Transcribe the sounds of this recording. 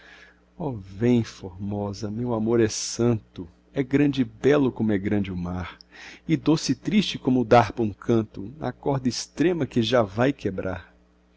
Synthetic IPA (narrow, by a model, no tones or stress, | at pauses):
ɔvẽj̃foɾmɔzɐmewamoɾɛsɐ̃nt̪ʊ | ɛɡɾɐ̃d͡ʒɪbɛlʊkõmʊɛɡɾɐ̃d͡ʒɪʊmaɾɪd̪osɪt̪ɾist͡ʃɪkõmʊd̪aɾpɐũkʰɐ̃nt̪ʊnɐ̰kɔɾd̪ɐɪst̪ɾẽmɐkɪʒavajkebɾʔa̰ɾ